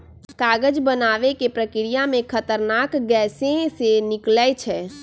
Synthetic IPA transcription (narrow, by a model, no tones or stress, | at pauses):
kaɡəd͡ʒbənaʋekepɾəkɪɾijamẽkʰət̪əɾnakɡɛːsẽsenɪklɛt͡ʃʰɛ